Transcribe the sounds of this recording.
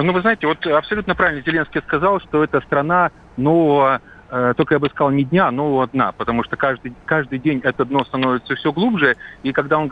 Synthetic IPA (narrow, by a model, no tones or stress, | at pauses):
nuvɨznajɪtʲɪvo̞t̪ɐpsɐlʲut̪nəpɾavʲɪlʲnəzʲɪlʲenskʲɪjaskɐzɑlˠʂt̪oɛt̪əst̪ɾɐna | no̞vəvə | t̪okəjabɨskɐzalˠnʲɪdʲnʲano̞vəvəd̪napət̪ɐmuʂt̪okaʐd̪ɨkaʐd̪ɨjdʲenʲɛt̪əd̪no̞st̪ɐnovʲɪt̪səfsʲɵɡlˠubʐɨikɐɡd̪aon